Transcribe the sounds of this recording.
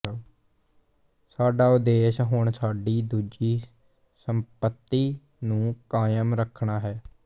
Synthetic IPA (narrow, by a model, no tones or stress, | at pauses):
saːɖaːʊd̪eːʃɦʊɳsaːɖiːd̪uːd͡ʒiː | səmpət̪ːiː | nũːkaːjəmɾəkʰɳaːɦɛː